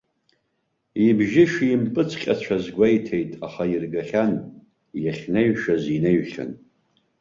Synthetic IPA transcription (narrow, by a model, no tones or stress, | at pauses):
ibʒɪʃimpʼɨt͡sʰqʲʼat͡ɕʷʰazɡʷajtʰe̞jtʼaχairɡaχʲan | jaχʲneɥʃazineɥχʲa̰n